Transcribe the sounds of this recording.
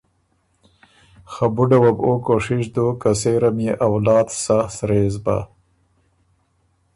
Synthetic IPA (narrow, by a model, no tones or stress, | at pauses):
xabuɖawabokoʂɪʂd̪okaseɾamjeʔawlɑːd̪sasɾeːzba̰